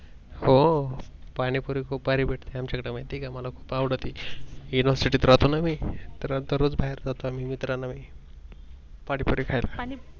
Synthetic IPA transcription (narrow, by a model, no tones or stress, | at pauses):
ho | paɽ̃ipuɾikʰuːp̚baɾibeʈʰt̪iamt͡ɕakəɽamajt̪ikaməlakʰu̥ːpawɽət̪ijuniʋəɾsiʈit̪ɾat̪onamit̪ɾad̪əɾot͡sbʱaɦeɾd͡zat̪oamimit̪ɾanami | paɽ̃ipuɾikʰajla